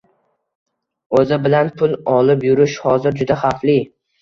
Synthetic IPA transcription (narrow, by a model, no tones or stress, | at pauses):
ɵzɪbɪlanpʰʊlˠɒlɪpjʊɾɪʃhɒzɪɾd͡ʒʊd̪aχaflɪ